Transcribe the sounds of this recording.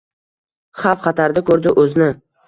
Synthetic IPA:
χɑfqʰɑt̪ʰaɾd̪ɪkʰɵɾd̪ɪʔɵznɪ

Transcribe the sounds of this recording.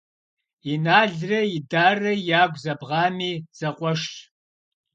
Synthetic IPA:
inaːɮrɐjidaːrɐjaːɡʷzɐbʁɑːmiːz̥ɐqʷʼɔʂtʼ

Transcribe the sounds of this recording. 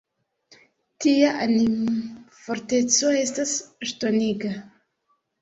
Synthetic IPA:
tiaʔanimfoɾte̞t͡so̞e̞staseʃtoniɡa

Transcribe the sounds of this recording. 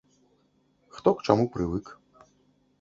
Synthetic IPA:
xt̪ɔkt͡ʃamupɾɨvɨk

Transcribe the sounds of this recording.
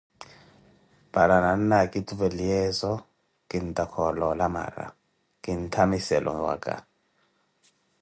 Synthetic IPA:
b̥aɾananːakʼitʼubɛliɛzɔ | kʼin̩tʼakʰɔlɔlama̰ɾa̰ | kʼintʰamisɛlʔɔ̰wa̰kʼa̰

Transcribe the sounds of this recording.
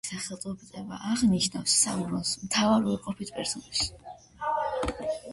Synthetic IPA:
saχɛlˠt̪ʼɔbt̪sʼɛba̰ʔaʁniʃnafsːauɾɔnsmt̪ʰavaɾɔɾqʼɔpʰit̪ʰpʼɛɾsɔnɛʃi̥

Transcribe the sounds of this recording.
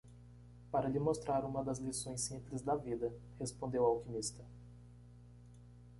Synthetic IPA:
paɾɐʎɪmost̪ɾaɾũmɐd̪ɐzlisõj̃sːĩmplɪzd̪ɐvid̪ɐhespõnd̪ewawkimist̪ɐ

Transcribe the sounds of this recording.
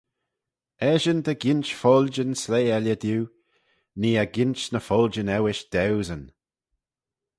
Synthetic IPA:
ɛʒənd̪əɡɪnt͡ʃfɔld͡ʒənsleːɛlʲjəd̪juː | niːaɡɪnt͡ʃnəfɔld͡ʒənɛwɪʃd̪̥ɛwzən

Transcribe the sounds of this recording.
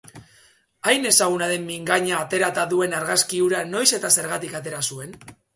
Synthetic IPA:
ajne̞saɣ̞unaðe̞mːiŋɡaɲaːt̪e̞ɾat̪aðue̞naɾɣaskiuɾano̞jse̞t̪ase̞ɾɣat̪ikat̪e̞ɾasue̞n

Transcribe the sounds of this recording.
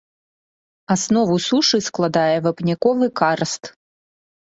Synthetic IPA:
asnɔvusuʂɨsklˠad̪ajɛvɐpnʲakɔvɨkarst̪

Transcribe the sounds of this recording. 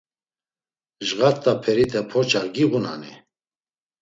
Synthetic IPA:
ʒɣat̪ʼːapʰɛɾit̪ʰɛpʰɔt͡ʃʰaχɡiɣuna̰nḭ

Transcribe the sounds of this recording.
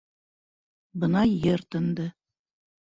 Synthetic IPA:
bɤ̆nɑjɘɾt̪ɤ̆nd̪ɤ

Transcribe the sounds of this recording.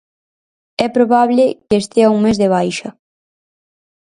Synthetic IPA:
ɛpɾoβaβlɪkest̪eɐuŋmezðeβ̞ajʃɐ

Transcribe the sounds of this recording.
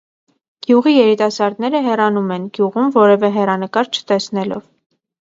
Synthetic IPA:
ɡ̥juʁijɛɾit̪ɑsɑɾd̪nɛɾəɦɛrɑnumɛnɡ̥juʁumvɔɾɛvɛɦɛrɑnəkɑɾt͡ʃʰə̥t̪ɛsnɛlɔ̰v

